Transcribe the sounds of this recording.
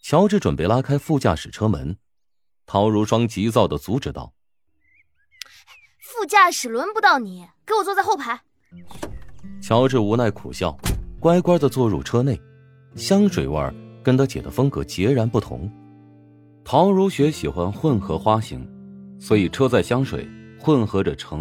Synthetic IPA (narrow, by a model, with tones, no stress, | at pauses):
t͡ɕʰjɑ˧˥ʊʈ͡ʂɻ̩˥˩ʈ͡ʂwə˨˩npe˥˩ɪla˥kʰa˥ɪfu˥˧t͡ɕja̰˥˩ʂɻ̩˨˩ʈ͡ʂʰɤ˥mə˧˥n | t̪ʰɑ˧˥ʊɻu˧˥ʂwɑ˥ŋt͡ɕi˧˥t͡sɑ˥˩ʊd̪ə˩t͡su˧˥ʈ͡ʂɻ̩˨˩t̪ɑ̰˥˩ʊ | fu˥˧t͡ɕja˥˩ʂɻ̩˨˩lwə˧˥npu˧˥t̪ɑ˥˩ʊni˨˩˦ke˧˥ɪwɔ˨˩t͡swɔ˥˧t͡sa˥˧ɪxo˥˩ʊpʰa˧˥ɪ | t͡ɕʰjɑ˧˥ʊʈ͡ʂɻ̩˥˩u˧˥na˥˩ɪkʰṵ˨˩ɕjɑ̰˥˩ʊkwa˥ɪkwa˥d͡zə˨t͡swɔ˥˧ɻṵ˥˩ʈ͡ʂʰɤ˥ne˥˩ɪ | ɕjɑ˥ŋʂwe˨˩ɪwə̰˞˥˧˩kə˥nt̪ʰə˧˥t͡ɕjɛ̰˨˩d̪ə˦fɤ˥ŋkɤ˧˥t͡ɕjɛ˧˥ɻa˧˥npu˥˩t̪ʰʊ̰˧˥ŋ | t̪ʰɑ˧˥ʊɻu˧˥ɕɥɛ˧˥ɕi˨˩xwa˦˥nxwə˥˩nxɤ˧˥xwa˥ɕḭ˧˥ŋswɔ˧˥i˨˩ʈ͡ʂʰɤ˥t͡sa˥˩ɪɕjɑ˥ŋʂwḛ˨˩ɪxwə˥˩nxɤ˧˥ʈ͡ʂə˨ʈ͡ʂʰɤ˧˥ŋ